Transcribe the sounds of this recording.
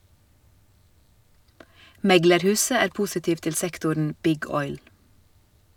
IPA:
ˈmɛɡləɾˌhʉːsə ˈæːɾ ˈpʊsɪtiːʋ ˈtɪl ˈsɛktʊɳ ˈbɪɡ ˈɔʏl

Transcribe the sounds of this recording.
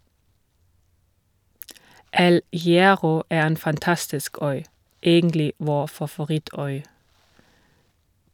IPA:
ˈɛl hɪˈæːʁɔ ˈeː ˈeːn fɑnˈtɑstɪsk ˈœʏ ˈeːɡəntlɪ ˈʋoː fɑfʊˈʁɪˌtœʏ

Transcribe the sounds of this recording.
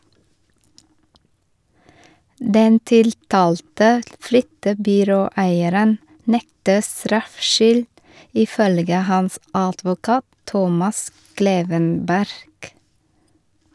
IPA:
ˈdɛn ˈtɪltɑːltə ˈflʏtəbʏˌɾoːˌæɪəɾən ˈnɛktə ˈstɾɑfʃʏl ɪˈfœlɡə ˈhɑns ɑdʋʊˈkɑːt ˈtɔmɑs ˈkleːʋənˌbæɾɡ

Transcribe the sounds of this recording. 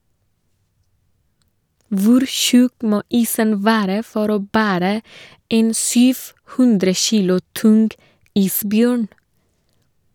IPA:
ˈʋʊɾ ˈçʉk ˈmoː ˈiːsən ˈʋæːɾə ˈfɔɾ ˈoː ˈbæːɾə ˈeːn ˈsyːf ˈhʉndɾə ˈçiːlʊ ˈtʊnɡ ˈiːsˌbjøːɳ

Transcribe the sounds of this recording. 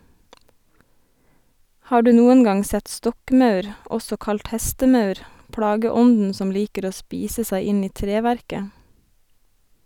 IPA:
ˈhɑː ˈɖʉː ˈnuːən ˈɡɑŋ ˈsɛt ˈstɔkˌmɑʉɾ ˈɔsɔ ˈkɑlt ˈhɛstəˌmɑʉɾ ˈpɽɑːɡəˌɔndn̩ ˈsɔm ˈliːkəɾ ˈoː ˈspiːsə ˈsæɪ ˈɪn ˈiː ˈtɾeːʋæɾkə

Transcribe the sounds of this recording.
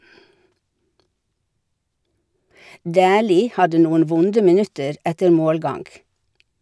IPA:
ˈdæːliː ˈhɑdə ˈnuːən ˈʋʊndə mɪˈnʉtəɾ ˈɛtəɾ ˈmoːlˌɡɑŋɡ

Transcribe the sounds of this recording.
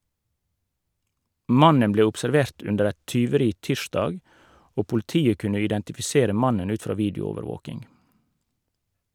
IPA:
ˈmɑnən ˈbleː ʊpsɛɾˈʋeːʁt ˈʉndəɾ ˈɛt tʏʋəˈɾiː ˈtiːʃdɑːɡ ˈoː pʊlɪˈtiːə ˈkʉnə ɪdɛntɪfɪˈseːɾə ˈmɑnən ˈʉːt ˈfɾɑː ˈʋiːdɪʊˌoːʋəɾˌʋoːkɪŋ

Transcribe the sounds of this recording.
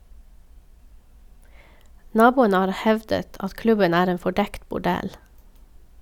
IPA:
ˈnɑːˌbuːənə ˈhɑːɾ ˈhɛʋdət ˈɑt ˈklʉbən ˈæːɾ ˈeːn fɔˈɖɛkt bʊˈɖɛl

